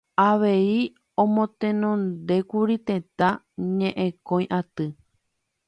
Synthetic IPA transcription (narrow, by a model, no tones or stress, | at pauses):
aʋe̞i | õmõt̪ẽnõnd̪e̞kuɾit̪ẽ̞t̪ã | ɲẽʔẽkõj̃ʔat̪ɨ